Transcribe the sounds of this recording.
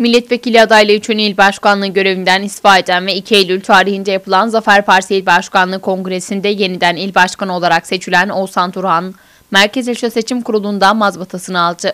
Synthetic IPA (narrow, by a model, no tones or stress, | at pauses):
milʲːɛt̪ve̞cilʲiad̪ajlˠayt͡ʃʰynilʲbaʃkanlˠɯɟø̞ɾe̞vind̪ænist̪faːe̞d̪ænvɛicʰiejlʲylʲt̪ʰaːɾihind̪ɛjapʰɯlˠanzafæɾpaɾsiilʲbaʃkanlˠɯkʰo̞ŋɡɾe̞sind̪ɛje̞nid̪ænilʲbaʃkʰanɯo̞lˠaɾakse̞t͡ʃʰylʲæno̞sant̪ʰuɾɦan | mæɾcezeʃose̞t͡ʃʰimkʰuɾulˠund̪anmazbat̪ʰasɯnɯalˠd̪ɯ